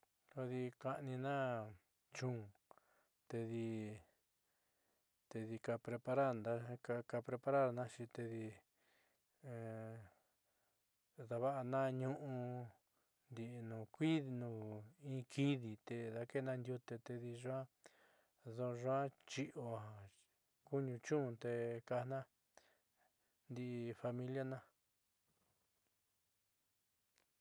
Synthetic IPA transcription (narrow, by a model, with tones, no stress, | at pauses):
ko˧ði˧ka˧ʔnĩ˧nã˦ | t͡ʃũː˦˨ | t̪e˧ði˧ | t̪e˧ði˧ka˧pɾe˧pa˧ɾa˦ɾnd̪a˧ka˧ka˧pɾe˧pa˧ɾa˦ɾnã˦ʃi˧t̪e˧ði˧ | ða˧βa˦ʔa˧nã˦ɲũ˦ʔũ˧ | nd̪i˧ʔnũː˨kʷi˦ðnũː˨ĩ˦˧˦kʰi˦ði˨t̪e˧ða˧ke˦˧nã˧nd̪ʲju˧t̪e˧t̪e˧ði˧ʐã˦ | ðo˧ʐwã˦t͡ʃi˦ʔo˧a˧˨ | ku˦ɲũ˧t͡ʃũ˦˧t̪e˧ka˧nã˦ | nd̪i˧ʔfa˧mĩ˧lja˦nã˦